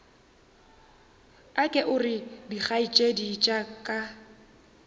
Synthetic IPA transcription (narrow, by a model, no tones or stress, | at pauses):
akʼɛʔʊrɪdik͡xait͡ʃʼedit͡ʃʼakʼa